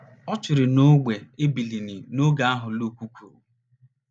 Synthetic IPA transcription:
ɔ˦t͡ʃɪ˨ɾɪ˨no˦ɡ͡be˨e˦bi˨li˨ni˨no˦ɡa˨a˦ɦʊ˨lu˦˨kʷu˦kʰʷṵ˨

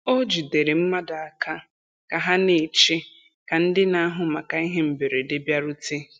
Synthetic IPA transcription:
o˦d͡ʒi˨de˨ɾe˨m̩˦ma˦da˨a˨ka˦ | ka˨ɦa˦ne˨t͡ʃe˦ | ka˨n̩˦dɪ˦na˦a˦ɦʊ˨ma˨ka˨i˦ɦe˦m̩˨be˨ɾe˨de˦bja˦ɾʊ˦te˦

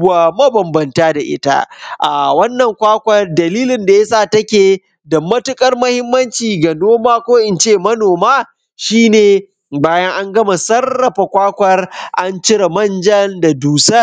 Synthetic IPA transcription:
aː˨mɐ˦bɐ˨mbɐ˨ntaː˦da˨ʔɪ̰˦ta̰˦ʔa˨wɐ˦nːɐ˨ŋkʷaː˦kʷɐ˦rdɐ˨liː˦lɪ˨nda˨ja˦saː˦˨tɐ˦kʲeː˨ | dɐ˨mːɐ˦tʊ˦kʼɐ˦rmɐ˦hɪ˦mːɐ˦nt͡ʃiː˨ɡa˨noː˦maː˦kʷoː˦ʔɪ˨nt͡ʃeː˦˨mɐ˦noː˨maː˦ | ʃiː˦neː˨ | baː˦jɐ˦ŋʔa˦ŋɡɐ˦ma˨sɐ˦rːɐ˨ɸa˨kʷaː˦kʷɐ˦rʔa˦nt͡ʃɪ˦ɽa˨mɐ˦nd͡ʒɐ˦nda˨duː˨sɐ˦

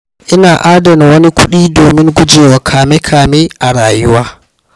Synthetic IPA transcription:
ʔɪ˦naː˨ʔaː˦dɐ˨nwɐ˦ni˦kʷʰʊ˦ɗiː˦doː˨mɪ˦ŋɡʷʊ˦d͡ʒeː˨wa˨kʰaː˨mɛ˦kʰaː˨meː˦ʔa˨ɾaː˨jʊ˦waː˦

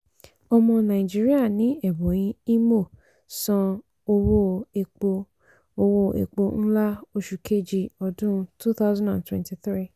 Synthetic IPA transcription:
ɔ˧mɔ̃˧nã˨i˨d͡ʒi˦ɾi˦a˦˨nĩ˨˦ɛ˦˨bo˨˦j̃ĩ˧i˦mo˦˨ | sã˧ | o˧wo˦e˨o˧ | o˧wo˦ʔḛ˨k͡po˧n̩˦la˦o˧ʃu˨kʰe˦˨d͡ʒi˨ɔ˧˨dũ˦˧tu˦θa˦ʊzã˦ndã̰˨ntwɛ̰̃˨nti˨θɾi˦˨

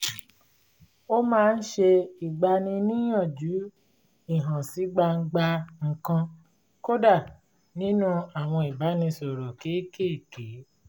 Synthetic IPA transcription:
o˦mãː˦˧n̩˦ʃe˧i˨ɡ͡ba˧nĩ˧nĩ˦j̃ã˦˨d͡ʒu˨˦ | i˦˨ɦã˨si˨˦ɡ͡ba˧ŋ̩˦ɡ͡ba˧ŋ̩˨kã˧ | ko˦da˦˨ | nĩ˦nũ˦a˦˨w̃ɔ̃˧i˨ba˨˦nĩ˧so˨ɾo˨ke˨˦ke˦i˦˨ke˨˦

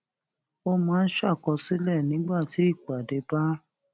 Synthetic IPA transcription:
o˧mɔ̃˨˦˧n̩˦ʃa˦˨kɔ˧si˦lɛ˦˨nĩ˨˦ɡ͡ba˦˨ti˨˦i˦˨ku˨a˨de˧ba˦

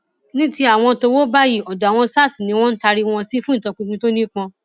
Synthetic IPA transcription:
nĩ˦ti˦a˦˨w̃ɔ̃˧to˧wo˦ba˦ji˦˨ɔ˨da˨w̃ɔ̃˧˦sa˦˨si˨nĩ˨˧˦w̃ɔ̃˦n̩˦ta˧ɾi˧w̃ɔ̃˧si˦fũ˦n̩˨tɔ̃˧k͡pũ˧kũ˧to˦nĩ˦k͡pɔ̃˧

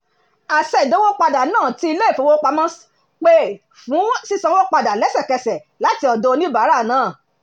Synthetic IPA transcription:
a˨sɛ˨do˦wo˦k͡pa˧da˨nãː˦˨ti˧˦i˧le˦i˦˨fo˨˧˦wo˦k͡pa˧mã˦s | k͡pe˦ | fũ˨˦si˦sã˧wo˦k͡pa˧da˨lɛ˨˦sɛ˦˨kɛ˧sɛ˨ | la˨˦ti˧˦ɔ˨do˧nĩ˦ba˨˦ɾa˦˨nãː˦˨

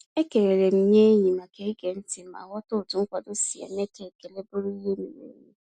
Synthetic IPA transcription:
e˦ke˨ɾe˨ɾe˨m̩˦mje˦ɲi˨ma˨ke˦e˦ɡe˨n̩˦tɪ˨˦ma̰˨wɔ˦tʊ˦˨tʊ˨ŋ̩˦kʷa˨dʊ˦si˨a̰˨me˦te˨ke˨le˦bʊ˦ɾi˦ɦe˦me˨mḛ˨˦ɾi˦

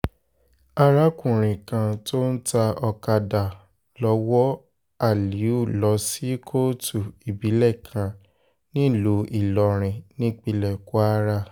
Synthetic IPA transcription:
a˧ɾa˦kũ˦˨ɾ̃ĩ˨kã˧to˦n̩˦ta˧ɔ˧ka˧da˨ | lɔ˧wɔ˦ | a˦˨li˨˦u˦˨lɔ˨˧˦si˦kʰo˦tu˦˨i˨bi˨˦lɛ˦˨kʰã˧ | nĩ˦˨lo˨˦i˦˨lɔ˧˨ɾ̃ĩ˨nĩ˦k͡pi˧lɛ˨ku˦a˦ɾa˦

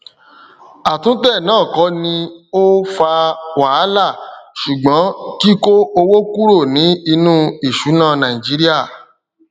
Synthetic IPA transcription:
a˨tũ˦tɛ˦˨nãː˦˨kɔ˨˧˦nĩ˧o˦fa˧wa˨˦la˦˨ʃu˨ɡ͡bɔ̃˨˦ki˦ko˦o˧wo˦ku˦ɾo˦˨nĩ˨˦i˧nũ˦i˦˨ʃu˨˦nã˦˨nã˨ĩ˨d͡ʒi˨˦ɾi˦a˦˨

